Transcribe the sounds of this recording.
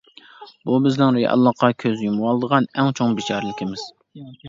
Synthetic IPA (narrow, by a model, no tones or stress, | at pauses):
bubɪznɪŋɾejɑ̰lˠːɑqɑkʲʰøzjumwɑlˠd̪əʁɑnɛŋt͡ʃʰoŋbɪt͡ʃʰɑːɾɨlˠɪkʲʰimɪz̥